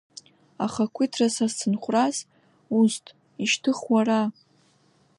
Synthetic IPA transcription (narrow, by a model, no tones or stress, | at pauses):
aχakʷʰitʰrasazsʰɨnχʷraz | ustʰʼ | iʃtʰɨχwara